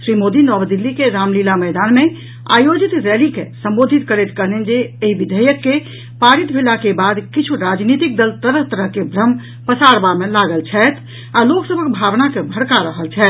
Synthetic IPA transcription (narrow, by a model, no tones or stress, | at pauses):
sɾimod̪inɔbd̪ilːikeɾamlilamɛjd̪anme | a̰jod͡ʒit̪ɾelikesə̃mbod̪ʱit̪kəɾet̪kəɾnend͡ʒeeɦibid̪ʱəjəkːe | paɾit̪bʱelakebad̪kit͡ʃʰuɾad͡ʒnit̪ik̚d̪əlt̪əɾəɦt̪əɾəɦkebʱɾəm | pəsaɾbamelaɡəlt͡ʃʰɛt̪ʰ | aloksəbʱəkbʱabnakebʱəɾkaɾəɦəlt͡ʃʰɛːt̪